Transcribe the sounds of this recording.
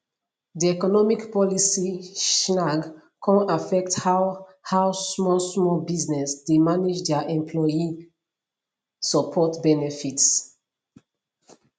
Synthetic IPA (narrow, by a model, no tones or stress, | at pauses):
diɛkɔnɔmikpɔlisiʃnaɡ | kʰɔ̃nafɛkthawhawsmɔlsmɔlbiznɛsdemanid͡ʒdɛaʔɛ̃mpʰlɔji | sɔpʰɔtbɛnɛfits